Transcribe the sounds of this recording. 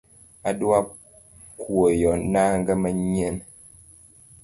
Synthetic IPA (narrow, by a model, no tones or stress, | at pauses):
adwa | kwojɔnaŋɡəməɲɛn